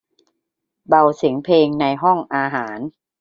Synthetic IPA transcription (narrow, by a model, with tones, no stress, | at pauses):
ba˧wsi˩˦ŋpʰleː˧ŋna˧jɦɔ˥˩ŋʔaː˧ɦaː˩˦n